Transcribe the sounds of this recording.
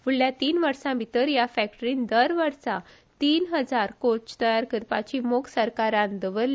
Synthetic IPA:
puɽljat̪iːnʋəɾsãbʱit̪əɾjafæk̚ʈəɾiːnd̪əɾʋəɾsa | t̪iːnɦəd͡zaɾkot͡ɕt̪əjaɾkəɾpat͡ɕimoksəɾkaɾãnd̪əʋəɾl

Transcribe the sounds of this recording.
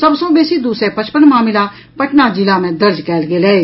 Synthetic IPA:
səbsõːbeːsiːd̪uːsɾeːpət͡ʃpəɳmaːmɪlaː | pəʈnaːd͡ʒɪlaːmẽːd̪əɾd͡ʒkɛːlɡeːlɛːe

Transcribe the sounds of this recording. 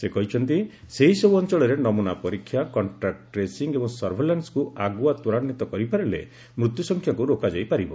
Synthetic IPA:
sekɔɦit͡ʃʰɔnt̪i | seɦisɔbuɔnt͡ʃɔɭɔɾenɔmunapɔɾikʰːjakɔɳʈɾak̚ʈʈɾesiŋɡebɔŋsɔɾbʱelanskuaɡuat̪uɾanːit̪ɔkɔɾipaɾelḛ | mɾut̪jusɔŋkʰjakuɾokad͡ʒajpaɾibɔ

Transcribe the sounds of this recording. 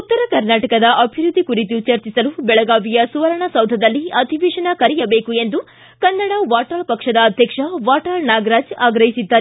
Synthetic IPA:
ut̪ːɐɾɐkɐɾnaːʈɐkɐd̪ɐʔɐbʱiɾud̪ʱːikuɾit̪ut͡ʃɐɾt͡ʃisɐlubɛɭɐɡaːʋijɐsuʋɐɾɐɳɐsɐwd̪ʱɐd̪ɐlːiɐd̪ʱiʋiːʂɐnɐkɐɾijɐbe̞ːkue̞nd̪u | kɐnːɐɽɐʋaːʈɐɭpɐkʂɐd̪ɐːd̪ʱjɐkʂɐʋaːʈaːlnaːɡɐɾaːd͡ʒaːɡɾɐɦisid̪ːaːɾ

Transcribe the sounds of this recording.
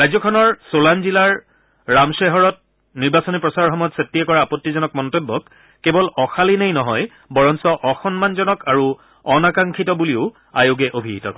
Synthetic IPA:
ɹajzɔkʰɔnɔɹsolanzilaɹː | amseɦɔɹɔt̚ | niɹbasɔnipɹɔsaɹɔɹxɔmɔjɔtsetːijɛkɔɹaːpɔtːizɔnɔk̚mɔntebːɔkː | ebɔlɔxalinejnɔɦɔj | bɔɹɔnsɔʔɔxɔnmanzɔnɔkaɹu | ɔnakaŋkʰitɔbuliʊ | ajoɡɛʔobʱiitɔ̰kɔ

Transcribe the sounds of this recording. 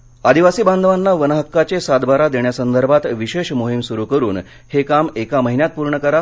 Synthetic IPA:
ad̪ʱiʋasiːband̪ʱʋanːaʋənəɦəkːat͡ɕesad̪baɾad̪eɳjasənd̪əɾbʱat̪ʋiɕeɕmoɦimsuɾukəɾuːn | hekamekaməɦinjat̪̚puɾɳəkəɾa

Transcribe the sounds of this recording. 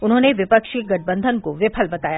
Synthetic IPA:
ʊnɦõːneʋɪpəkʃeɡɐʈ̚bə̃nd̪ʱənkoʋɪpʰəlbɐt̪aːja

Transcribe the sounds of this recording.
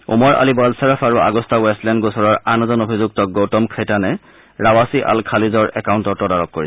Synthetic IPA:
umɔɹʔa̰libalsaɹafʰaɹuʔa̰ɡɔstawɛstlɛndɡosɔɹɔɹanɔzɔnobʱizuk̚tɔɡowtɔmkʰɛtanɛ | ɹawasiʔa̰lkʰalizɔɹɛ̰kawntɔtɔdaɹɔkːoɹi

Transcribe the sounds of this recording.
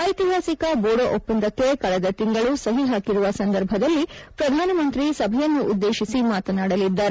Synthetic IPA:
ɐjt̪iɦaːsikɐboːɽoʔopːɐnd̪ɐkːekɐɭɛd̪ɐt̪iŋɡɐɭusɐɦiɦaːkiɾuʋɐsɐnd̪ɐɾbʱɐd̪ɐlːipɾɐd̪ʱaːnɐmɐnt̪ɾisɐbʱɐjɐnːuʔud̪ːe̞ːʃisimaːt̪ɐnaːɽɐlid̪ːaːɾ

